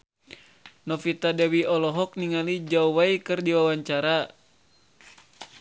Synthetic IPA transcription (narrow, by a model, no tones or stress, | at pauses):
nɔfit̪adɛwiɔlɔɦɔk̚niŋalid͡ʒauwaikɨrdiwawaɲt͡ʃaɾa